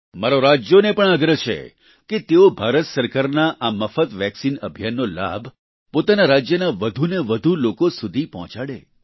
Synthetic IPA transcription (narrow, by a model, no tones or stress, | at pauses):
maɾoɾad͡ʒjonepəɳaɡɾət͡ʃʰḛ | ket̪eobʱaɾət̪səɾkaɾnaʔaməfət̪ʋɛksinəbʱjanːola̰bʱ | pot̪anaɾad͡ʒjənaʋəd̪ʱuneʋəd̪ʱulokosud̪ʱipɔɦɔ̃t͡ʃaɽḛ